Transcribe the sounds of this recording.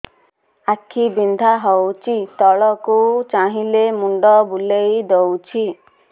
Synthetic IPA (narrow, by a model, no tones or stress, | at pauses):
akʰibind̪ʱaɦɔwt͡ʃʰit̪ɔɭɔkut͡ʃaɦilemuɳɖɔbulejd̪ɔwt͡ʃʰi